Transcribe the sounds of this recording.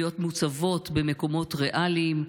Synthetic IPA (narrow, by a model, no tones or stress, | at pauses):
jo̞t̪mut͡savo̞tbe̞me̞ko̞mo̞tʁeʔalim